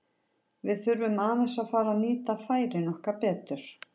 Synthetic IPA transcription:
vɪðθʏɾvʏmaːðɪsaðfaːɾaniːt̪afaːjɾɪnɔhkapɛːt̪ʏɾ̥

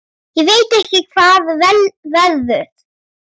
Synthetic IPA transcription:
jɛɣveːjt̪ɛhcɪkʰv̥aːðvɛlvɛððʏθ

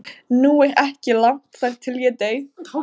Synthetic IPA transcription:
nuːɛɣɛhcɪlam̥t̪θaɾt̪ʰɪljɛt̪eːɥ

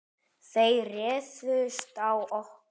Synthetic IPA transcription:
θejrɛːsvʏst̪awɔh

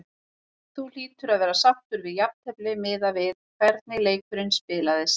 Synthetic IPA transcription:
θul̥iːt̪ʏɾaðvɛːɾasaht̪ʏɾvɪðjap̚nhɛplɪmɪːðavɪðkʰvɛɾt̪̚nɪleːjkʏɾɪnspɪːlaðɪs

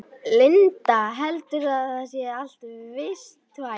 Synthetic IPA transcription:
lɪnt̪aɦɛlt̪ʏɾ̥θaðasjɛal̥t̪vɪst̪va

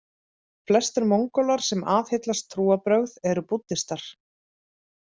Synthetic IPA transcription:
flɛst̪ʏɾmowŋkɔlaɾ̥sɛmaːθhɪt̪last̪ʰːɾuːapɾœɣðɛɾʏput̪ːɪst̪aɾ̥

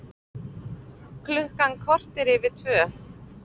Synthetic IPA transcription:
kʰlʏhkankʰvɔr̥t̪ɪɾɪvɪ̥t̪ʰvœː

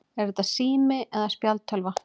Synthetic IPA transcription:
ɛɾɛt̪asiːmɪʔɛðaspjalt̪ʰœlva

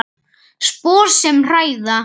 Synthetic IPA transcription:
spɔːɾ̥sɛmr̥aːjða

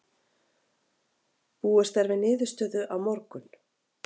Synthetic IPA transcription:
puːɛst̪ɛɾvɪnɪːðʏ̥st̪œːðʏʔawmɔɾkʏn

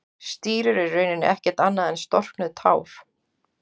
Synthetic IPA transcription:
st̪iːɾʏɾɪrːœɥnɪnːʏ̰ʔɛhcɛ̥t̪anːaðɛnst̪ɔr̥knʏðt̪ʰaːwf

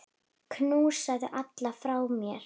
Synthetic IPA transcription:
kʰnuːsaðʏʔat̪lafɾaːwmjɛɾ̥

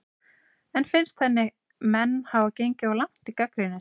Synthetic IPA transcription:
ɛnfɪnst̪θɛnːɪ | mɛnːhaːvacejɲcɪawlam̥t̪ikakɾɪnɪ

